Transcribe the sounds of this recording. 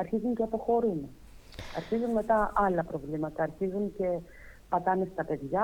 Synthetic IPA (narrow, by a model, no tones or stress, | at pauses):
ɐɾçizuɲceɐpo̞xo̞ɾune | ɐɾçizunme̞t̪ɐɐlɐpɾo̞vlimɐt̪ɐːɾçizunce̞ | pɐt̪ɐnest̪ɐpe̞ðʝɐ